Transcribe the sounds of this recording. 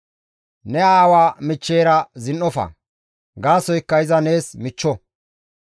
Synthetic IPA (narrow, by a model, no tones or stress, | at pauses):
nɛaːwaːmɪt͡ʃːeːɾɐzɪnːɔfɐ̰ | ɡaːsɔjkːɐjɪzɐne̞ːsmɪt͡ʃːɔ